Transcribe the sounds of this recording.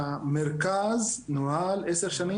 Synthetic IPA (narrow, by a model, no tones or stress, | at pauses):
mɪɾkaːznʊɾaːlʔɪsɪɾʃani